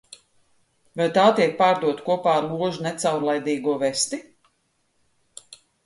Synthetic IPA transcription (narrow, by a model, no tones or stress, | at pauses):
vajt̪aːt̪iɛk̚paːɾd̪uɔt̪kuɔpaːɾlˠuɔʒunɛt̪sawɾlˠajd̪iːɡuɔvɛst̪i